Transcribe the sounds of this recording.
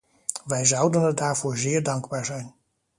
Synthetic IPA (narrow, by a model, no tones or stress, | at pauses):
ʋɛjzʌwdənədaːɹvʊːɹzɪːɹdɑŋɡbaːɹzɛjn